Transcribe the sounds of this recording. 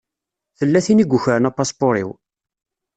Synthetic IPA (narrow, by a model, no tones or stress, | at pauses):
θəlːæθiniɡʷːʊçəɾənæpːɑspoɾḭw